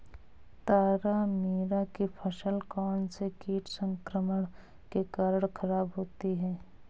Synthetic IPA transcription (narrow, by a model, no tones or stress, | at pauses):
t̪aːɾamiːɾakipʰəʃəlkɔːnsekiːʈʰsə̃ŋkɾəməɳ | kekaːɾəɽ̃kʰəɾaːbɦoːt̪iɦɛː